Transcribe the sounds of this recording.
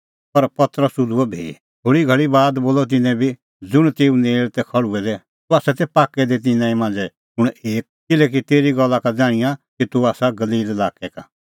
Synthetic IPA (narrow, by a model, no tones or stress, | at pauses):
pɐɾpɐt̪ɾəsʊd̪uɔbʱḛː | oːɽiɡʱɐɭibaːd̪boːlɔt̪̬ɪnɛ̃bʱi | d͡zʊɽ̃t̪eːũneːɭt̪ɛkʰɐɭuɛd̪ɛ | t̪uaːsɛt̪ɛpaːkːɛd̪it̪̬ɪnãːĩmãːnd͡zɛ | ʊɽ̃eːk̚kɪlɛk̬it̪eːɾiɡɔlːakad͡zaːɽ̃ɪjakit̪uaːsaɡɐliːlɛlaːkɛka